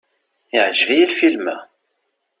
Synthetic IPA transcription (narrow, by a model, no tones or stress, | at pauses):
ɪʕʒvijælfilmæ